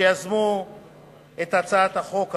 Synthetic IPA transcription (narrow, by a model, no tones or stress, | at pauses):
ejazmu | et̪at͡saat̪haχo̞k